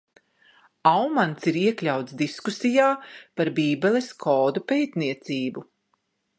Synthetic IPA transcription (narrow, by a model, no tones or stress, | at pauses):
awmant̪siɾiɛklʲawt̪d̪iskusijaːpaɾbiːbɛlˠeskʰɔːd̪upeːt̪niɛt̪siːbu